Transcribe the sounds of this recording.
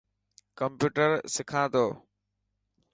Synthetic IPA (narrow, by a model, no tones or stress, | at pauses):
kəmpjuːʈəɾsɪkʰãːd̪oː